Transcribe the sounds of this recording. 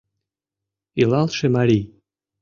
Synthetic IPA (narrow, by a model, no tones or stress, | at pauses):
ilɑlˠʃĕmaɾʲij